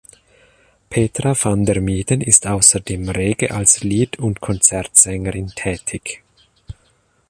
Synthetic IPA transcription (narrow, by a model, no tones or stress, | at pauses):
pʰeːtʁafandɛʁmiːdənɪstʔaʊsɐdeːmʁeːɡəʔalsliːtʰʊntkʰɔnt͡sɛʁtz̥ɛŋəʁɪntʰɛːtʰɪç